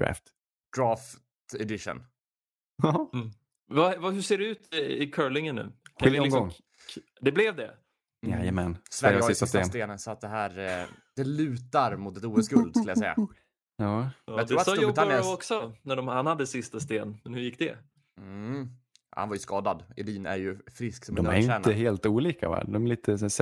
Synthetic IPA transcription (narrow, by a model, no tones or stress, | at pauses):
ɾæ̰ft̪ | d̪̥ɾɑːftt̪ɛd̪ɪʂə̰n | vavahɵseːɖɛʉːt̪ɪkʰœɹɭɪŋənːʉ̰ːaɔɪɡɔŋ | d̪ɛblɛvd̪ɛ | ja̰jəmɛnsvɛɾjasɪst̪aɪst̪esnt̪eːnənsɔat̪̚d̪ɛɦæːɾd̪̥ɛlʉ̟ːt̪aɾmʊt̪ɛt̪uːəsɡɵld̪skɵljasɛ̰jːa̰ | jɑːjat̪ɾɾuːɾat̪ssubt̪anjənɔksɔnæɖɔmhanhad̪ːəsɪst̪ast̪eːnmɛnhɵjɪk̚ːd̪ɛ̰ | ha̰nvaɾjɵskɑːd̪ad̪ɪd̪iːnæ̰ɾjɵfɾɪsksɔmd̪ɔmæɾʏɛːnəɦeːlt̪uːliːka̰va̰d̪ɔmɛliːt̪ʰəsæs